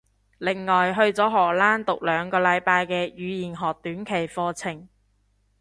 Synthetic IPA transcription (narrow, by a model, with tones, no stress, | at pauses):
lɪ˨˩ŋŋɔː˨jɦɵ˧ɥt͡sɔː˨˥ɦɔː˨˩laː˥nt̪ʊ˨k̚lœː˨˧ŋkɔː˧lɐ˨˧jpaː˧jkɛː˧jyː˨˧jiː˨˩nɦɔː˨k̚t̪yː˨˥nkʰe˨˩jfɔː˧t͡sʰɪ˨˩ŋ